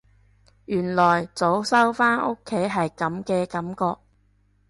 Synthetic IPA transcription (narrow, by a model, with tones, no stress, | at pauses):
jyː˨˩nlɔː˨˩jt͡so˨˥wsɐ˥wfaː˥no˥kʰːe˨˥jɦɐ˨jkɐ˨˥mkɛː˧kɐ˨˥mkɔː˧k̚